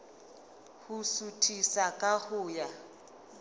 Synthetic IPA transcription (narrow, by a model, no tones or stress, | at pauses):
husutʼʰisakʼahʊːja